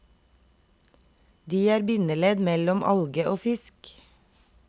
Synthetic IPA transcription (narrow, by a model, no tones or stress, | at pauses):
d̪iːæːɾbʏnəleːd̪mɛlɔmʔɑ̰lɡəʔoːfɪsk